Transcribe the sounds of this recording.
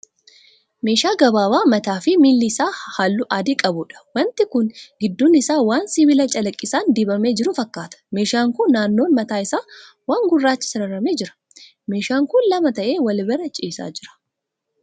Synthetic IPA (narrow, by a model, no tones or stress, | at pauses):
me̞ːʃaːɡɐbaːwaːmɐt̪aːfɪmiːlːɪsaːhaːlːʊʔaːd̪ɪkʼɐbʊᶑɐ̥wɐnt̪ɪkʊnɡɪd̪ːuːnɪsaːwaːnsiːbɪlɐt͡ʃʼɐlɐkʼːɪsaːnd̪iːbɐme̞ːd͡ʒɪɾʊfɐkːaːt̪ɐ̥me̞ːʃaːŋkʊnːaːnːo̞ːnmɐt̪aːɪsaː | waːŋɡʊrːaːt͡ʃːɪ̥sɪɾɐrɐmeːd͡ʒɪɾɐ̥ | me̞ːʃaːŋkʊnlɐmɐt̪ɐʔe̞ːwɐlbɛɾɐt͡ʃʼiːsa̰ːd͡ʒɪɾɐ̥